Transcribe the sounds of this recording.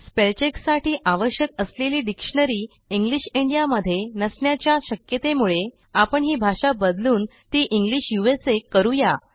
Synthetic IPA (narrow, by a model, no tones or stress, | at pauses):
spelt͡ɕeksaʈʰiːʔaʋəɕjəkəsleliːɖikʂəɳəɾiː | iŋɡliɕiɳɖijaməd̪ʱːjenəsɳjat͡ɕjaɕəkjət̪emuɭe | apəɳɦiːbʱaʂabəd̪luːn | t̪iːʔiŋɡliɕjuesekːəɾuja